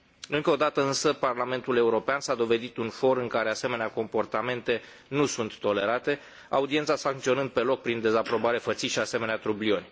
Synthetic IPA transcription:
ɨŋkəod̪at̪əɨnsəparlame̞nt̪ule̞uɾo̞peansad̪o̞ve̞d̪it̪unfo̞ɾɨŋkaɾe̞ase̞me̞neako̞mpo̞rt̪ame̞nt̪e̞ | nusunt̪ːo̞le̞ɾat̪e̞ | a̰ud̪ie̞nt̪sasaŋkt̪sio̞nɨnd̪̚pe̞lo̞k̚pɾind̪e̞zapɾo̞baɾe̞fət̪siʃiase̞me̞neat̪ɾublio̞nʲ

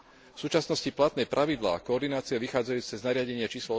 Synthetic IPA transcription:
fsuːt͡ʃasnɔsciplat̪nɛpɾʔaʋid̪la̰ːkɔɔɾd̪inaːt͡sɪɛʋixaːd͡zajuːt͡sɛznaɾɪaɟɛɲɪat͡ʃiːslɔ

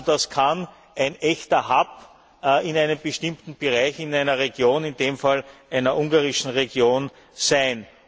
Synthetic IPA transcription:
d̥askʰan | ʔæɪnʔɛçtɐhap | ɪnæɪnəmb̥əʃtɪ̃mtn̩b̥eʁaɪçɪnæɪnɐʁeɡjoːnɪnd̥eːmfalʔæɪnɐʔʊŋɡaʁɪʃn̩ʁeɡjoːn | sæɪn

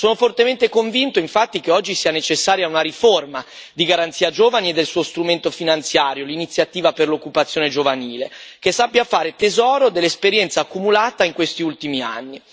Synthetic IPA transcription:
soːnofort̪ement̪ekoɱvint̪oiɱfat̪ːik̟eɔd͡ʒːisiːanet͡ʃesːaːɾjaunaɾiforma | d̪iɡaɾant̪siːad͡ʒoːvanied̪ːelsuːost̪ɾument̪ofinant̪sjaːɾjolinit̪sjat̪iːvaperlokːupat̪sjoːned͡ʒovaniːlekesːapːjafaːɾet̪ezɔːɾod̪elːespeɾjɛnt̪saːkːumulaːt̪aiŋkwest̪iult̪imia̰nːi

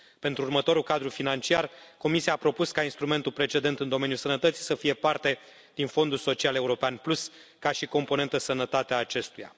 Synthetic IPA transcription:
pe̞nt̪ɾuːrmət̪o̞ɾulkad̪ɾufinant͡ʃiarko̞misiaːpɾo̞puskainst̪ɾume̞nt̪ulpɾe̞t͡ʃe̞d̪e̞nt̪ɨnd̪o̞menjulsənət̪ət̪si̥səfije̞part̪e̞ | d̪̥info̞nd̪ulso̞t͡ʃiale̞uɾo̞peanplus | kaʃiko̞mpone̞nt̪əsənət̪at̪eaːt͡ʃe̞st̪uja̰

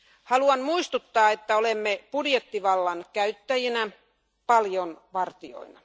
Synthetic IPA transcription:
hɑluɑnmuist̪ut̪ːɑːet̪ːæolemːepudjet̪ːiʋɑlːɑnkæyt̪ːæjinæ | pɑljonʋɑrt̪io̰inɑ

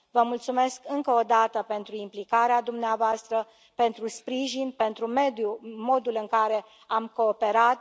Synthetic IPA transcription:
vəmult̪sume̞skɨŋkəod̪at̪əpe̞nt̪ɾuimplikaɾead̪umneavoast̪ɾə | pe̞nt̪ɾuspɾiʒinpe̞nt̪ɾume̞d̪jumo̞d̪ulɨŋkaɾe̞ | amko̞ːpe̞ɾat̪̚

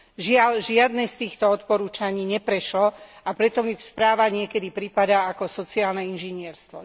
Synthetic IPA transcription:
ʒɪalʒɪad̪nɛst̪iːxt̪ɔɔt̪pɔɾuːt͡ʃaɲiːɲɛpɾɛʃlɔapɾɛt̪ɔmispɾaːʋaɲɪɛkɛd̪ipɾipad̪aakɔsɔt͡siaːlnɛinʒiɲɪɛɾst̪ʋɔ

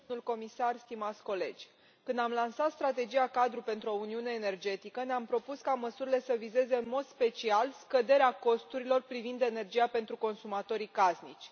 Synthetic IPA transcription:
ulko̞misarst̪imat̪sʲko̞le̞̰d͡ʒʲ | kɨnd̪amlansat̪st̪ɾat̪̬e̞d͡ʒiakad̪ɾupe̞nt̪ɾuo̞uniune̞ːne̞rd͡ʒe̞t̪ikəneampɾo̞puskaməsuɾile̞səvize̞ze̞ɨnmo̞d̪spe̞t͡ʃialskəd̪e̞ɾeako̞st̪uɾilo̞rpɾivind̪e̞ne̞rd͡ʒijape̞nt̪ɾuko̞nsumat̪o̞ɾikaznit͡ʃʲ

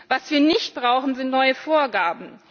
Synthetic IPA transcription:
vasv̥iːɐnɪçt̚b̥ʁaʊxn̩zɪntnɔʏəfoːɐɡaːbm̩

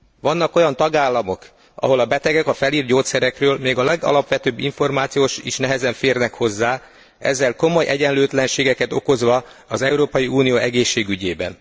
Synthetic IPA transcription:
ʋɒnːɒko̞jɒnt̪ɒɡaːlːɒmo̞k | ɒ̰ɦo̞lɒbɛt̪ɛɡɛkɒfɛliːrɟoːt̪sɛɾɛkrøːlmeːɡɒlɛɡɒ̰lɒpʋɛt̪øːbːiɱfo̞rmaːt̪sijoːʃiʃnɛɦɛzɛɱfeːrnɛkho̞zːaː | ɛ̰zːɛlko̞mo̞jʔɛɟɛnløːt̪lɛnʃeːɡɛkɛt̪o̞ko̞zʋɒː | zɛuɾoːpɒjiuːnijoːʔɛɡeːʃːeːɡyɟeːbɛ̰n

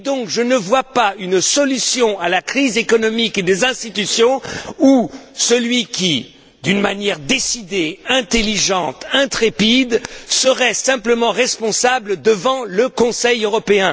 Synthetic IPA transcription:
d̪ɔ̃kʒənəvwapaynsɔlysjɔ̃alakχizekɔnɔmiked̪ezɛ̃st̪it̪ysjɔ̃usəlɥikʲi | d̪ynmanjɛʁd̪esid̪eɛ̃t̪eliʒɑ̃t̪ɛ̃t̪χepid̪səʁɛsɛ̃pləmɑ̃ʁɛspɔ̃sabld̪əvɑ̃ləkɔ̃sɛjøʁɔpeɛ̃

